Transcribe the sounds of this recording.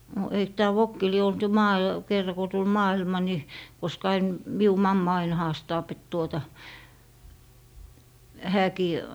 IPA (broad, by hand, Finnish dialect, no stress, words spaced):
no eik tæː ʋokːi lie olt jo mɑː kerːɑ ko tul mɑːilmɑ ni koskɑ ɑin miu mɑmːɑ ɑin hɑːstɑːp et tuotɑ hæːkiː